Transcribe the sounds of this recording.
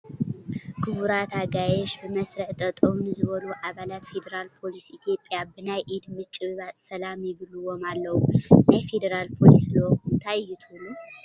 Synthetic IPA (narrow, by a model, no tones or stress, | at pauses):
kʰɨβuɾat̪ʰaɡajɛʃbɨmɐsɾɐħt̪ʼɐt̪ʼomnɨzɨβɐluʔaβalat̪fe̞d̪ɐɾalpʰo̞lisʔit̪ʰijo̞pʼjabɨnajʔid̪mɨt͡ʃʼɨβɨβat̪ʼsɐlamjɪβɨlɨwo̞malːɐwunajfe̞d̪ɐɾalpʰo̞lislokunt̪ʰajjɪt̪ʰulu